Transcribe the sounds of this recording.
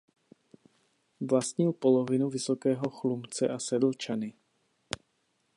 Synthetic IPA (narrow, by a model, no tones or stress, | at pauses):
vlast̪ɲilpɔlɔvinuvisɔkɛːɦɔxlumt͡sɛ̰ʔasɛd̪l̩ˠt͡ʃani